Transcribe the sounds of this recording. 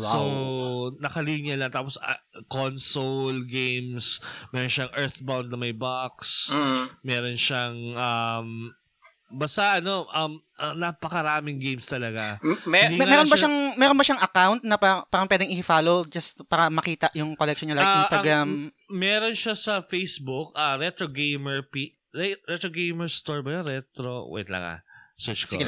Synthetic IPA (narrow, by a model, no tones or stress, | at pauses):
so | nɐkɐliːɲjɐlɐŋt̪aːpos | konsolɡejmsmɛɾonʃaŋʔɛɹt̪bawnd̪nɐmɐjbaksmɛːɾo̞nʃaŋʔɐm | bast̪ɐʔɐno̞ʔɐm | ɐnapɐkɐɾaːmɪŋɡejmst̪ɐlɐɡad̪ŋɛɾonbɐʃaŋmɛːɾonbɐʃɐŋɐkawnt̪̚nɐpapaːɾɐŋpwɛːd̪ɪŋɪhɪfaːlod͡ʒɐst̪paːɾɐmɐkiːt̪ɐʔjʊŋkolɛkʃonɲɐlajɡʔinst̪ɐɡɾam | mɛːɾo̞nʃasɐfejsbʊk̚ʔaɾɛt̪ɾoɡejmɛɹpi | ɛɹɛt̪ɾoɡejmɛɹst̪oɹbɐjoɾɛt̪ɾo̰wɛ̰t̪lɐ̰ŋa̰sɛt͡ʃk